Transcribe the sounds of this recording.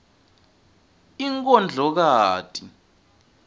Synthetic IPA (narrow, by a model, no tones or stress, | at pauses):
iŋk̬ʼɔnd͡ɮʱɔk̬aːtʼi